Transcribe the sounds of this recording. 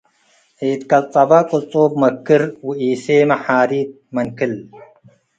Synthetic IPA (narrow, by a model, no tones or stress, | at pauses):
eːt̪kɐlt̪ʼɐbɐkʼot͡sʼoːb̚mɐkːɨɾwuiːseːmɐħaːɾiːt̪̚mɐnkil